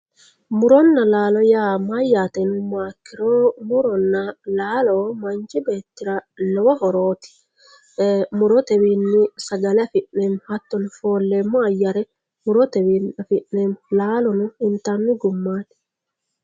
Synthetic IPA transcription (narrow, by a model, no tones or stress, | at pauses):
mʊɾɔnːɐlaːlɔjaːmajːaːt̪ɛnʊmaːkːɪɾoːmʊɾɔnːɐlaːlɔmɐnt͡ʃɪbe̞ːt̪ːɪɾɐlɔwɔɦɔɾoːt̪ɪ̥ | mʊɾɔt̪ɛwinːɪsɐɡɐlɛfɪʔnemhɐt̪ːɔnɪfoːlːeːmːɔɐjːɐɾɛ | mʊɾɔt̪ɛwinɐfɪʔneːmlaːlɔnʊɪnt̪ːanːɪɡʊmːaːn̥